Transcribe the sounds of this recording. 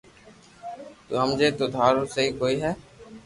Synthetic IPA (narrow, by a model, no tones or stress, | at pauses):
t̪oːɦəmd͡ʒeːt̪oːd̪ʱaːɾoːsəɦiːkoːiːɦɛː